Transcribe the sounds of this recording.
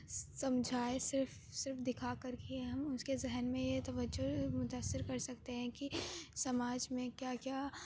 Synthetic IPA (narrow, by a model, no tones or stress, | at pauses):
sɐmd͡ʒʱaːesɪɾf | sɪɾfd̪ɪkʰakɐɾkiɛ̃ɦɐmʊskezɛɦnmẽjet̪ɐʋəd͡ʒʊmʊt̪aːsːɪɾkɐɾsɐkt̪eɦɛ̃kisɐmaːd͡ʒmẽkjaːkjaː